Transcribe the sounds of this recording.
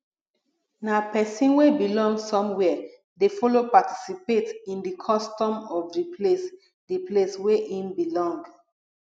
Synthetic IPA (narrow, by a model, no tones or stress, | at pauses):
napɛsĩnwebilɔ̃ŋɡsɔ̃mwɛ | defɔlopatʰi̥sipetĩndikʰɔstɔ̃mɔvdipʰles | diplesweʔĩmbilɔ̃ŋɡ